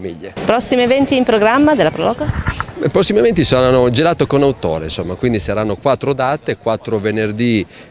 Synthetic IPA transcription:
mḭʎːepɾɔsːimievɛnt̪iːmpɾoɡɾamːad̪elapɾɔlɔːkopːɾosːimemɛnt̪isoɾanːod͡ʒelaːt̪okonawt̪o̰ːɾḛnsomːakwind̪isaɾanːokwat̪ːɾod̪aːt̪ekwat̪ːɾovenerd̪i

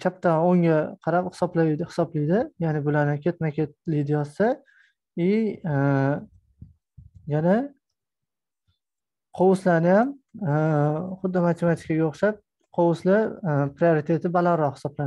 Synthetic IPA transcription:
kʲʰap̚t̪ʰaoŋaqʰɑɾaphɪsɒblad̪hɪ̥sɒblijd̪ɪjaːnɪbʊlaɾnɪkʲʰe̞t̪makʲʰet̪̚lijd̪ɪjɒsɪ | ɪ | jana | qʰowʊslanɪjam | χʊd̪ːɪmat̪ʰemat̪ʰɪ̥kaɡʲaoχʃap̚ | qʰowʊslɪpɾioɾit̪ʰe̞t̪ʰɪbalaɾɾːɒhɪ̥sɒbla

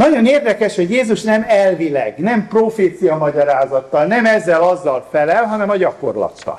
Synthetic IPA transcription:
nɒɟo̞neːrd̪ɛkɛʃho̞ɟjeːzuʃnɛmɛlvilɛ̰ɡnɛmproːfeːt̪sijɒmɒɟɒɾaːzɒt̪ːɒlnɛmɛzːɛlɒzːɒlfɛlɛlɦɒnɛmɒɟɒko̞̰rlɒ̰t̪ːɒ̰

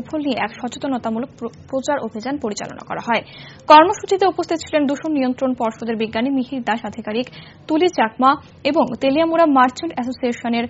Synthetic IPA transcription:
fʰolnieʔɛkʃɔt͡ɕot̪onot̪amulok̚pɾot͡ɕaɾobʱid͡ʑanpoɾit͡ɕa̰lo̰na̰kɔ̰ɾaɦɔe | kɔɾmoʃut͡ɕit̪eupost̪ʰit̪ot͡ɕʰilend̪uʃonnijont̪ɾonpɔɾʃod̪eɾbiɡːanimiɦiɾd̪aʃad̪ʱikaɾik | t̪ulit͡ɕakma | eboŋt̪eliamuɾamaɾt͡ɕʰonʈɛsosieʃoneɾ

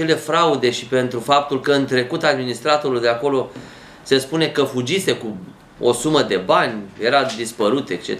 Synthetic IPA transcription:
e̞le̞fɾaud̪e̞ʃi̥pe̞nt̪ɾufap̚t̪ulkəɨnt̪ɾe̞kut̪ad̪minist̪ɾat̪o̞ɾuljd̪eako̞lo̞ | se̞spune̞kəfud͡ʒise̞ku | o̰suməd̪e̞banʲje̞ɾad̪ispəɾut̪ekt͡ʃḛ

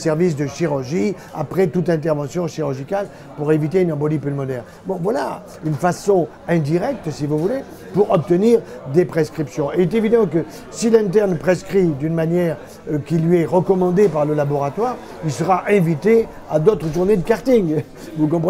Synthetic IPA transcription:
sɛʁvis̬d̪əʃiʁyʁʒi | a̰pχɛt̪ut̪ɛ̃t̪ɛʁvɑ̃sjɔ̃ʃiʁyʁʒikal | puʁevit̪eynɑ̃bɔlipylmɔd̪ɛʁn | bɔ̃vwala | ynfasɔ̃ | ɛ̃d̪iʁɛk̚t̪sivuvule | puʁɔp̚t̪əniʁd̪epχeskχipsjɔ̃eɛt̪evid̪ɑ̃k̬ə | silɛ̃t̪ɛʁnpχeskχid̪ynmanjɛʁ | kʲilɥiɛʁəkɔmɑ̃d̪epaʁləlabɔʁat̪waːʁ | ilsəʁaʔɛ̃vit̪e | ad̪ot̪χəʒuʁned̪əkaʁt̪iŋ | vukɔ̃pχə

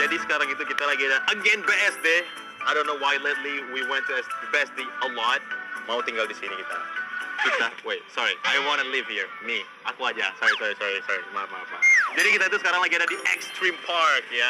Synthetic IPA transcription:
jɛdiskaɾãŋit̪ukit̪alakɡɛɾaʔəɡɛ̃nbɛɛsde | ajdõnːowajletˡliwiwɛ̃ntːuɛsbɛsdiəlɔt̚maut̪ĩŋɡaldisinikit̪a̰kit̪awesɔɹiʔajwɔ̃nəlivhiɹ | mi | ʔakwaja̰sɔɹisɔɹisɔɹisɔɹima̰ma̰ma̰dɛɾikit̪at̪uskaɾaŋlaɡɛɾadiʔɛ̰kstɹĩmpʰaɹkja

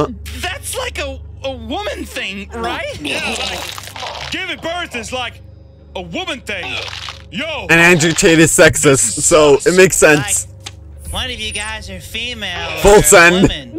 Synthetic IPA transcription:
ðætslaɪkəəwʊmɨ̃nθɪ̃ŋɹaɪt̚aɪɡ̥ɪvɨt̚b̥ɜ˞θɨtslaɪk | əwʊmɨ̃nθɪ̃ŋ | joɨ̃næ̃nd͡ʒɹɨt͡ʃʰeɪɾɨd̥sɛksɨsːoʊɨt̚meɪksɛ̃nsʰ | ɛ̃nʌvjɨɡaɪzə˞fimeɪlˠfʊlˠsɛ̃n

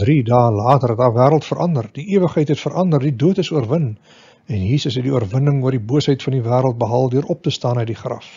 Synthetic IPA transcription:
dridɑːlɑːtərɛtdɑːvæːɾəlˠtfəɾʔɐndərd̥iʔiəvəχɦəjtɦɛtfəɾʔɐndərdiduətəsuərvən | ɛnjiːsəsɦɛtdiuərvənəŋuərdibuəsɦəjtfɐndivæːɾəlˠt̚bəɦɑːlˠdyəɾʔɔp̚təstɑːnəjdiχrɐ̰f

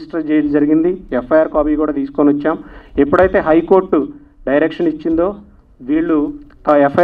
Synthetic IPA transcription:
sʈɐd͡ʒeːd͡ʒɐɾiɡind̪iɛpʰːɐjaːɾkaːpiːkuːɽaːt̪iːsu̥koːniɔt͡ʃːaːmepːuɽɐjt̪e̞ːɦɐjko̞ːɾʈu | ɖɐjɾekʂɐnit͡ʃːind̪o̞ː | ʋiːɭːut̪ɛpʰːɐ

